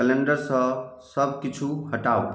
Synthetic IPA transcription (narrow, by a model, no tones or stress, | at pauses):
kəleɳɖəɾsə̃səbʱkit͡ʃʰuɦəʈau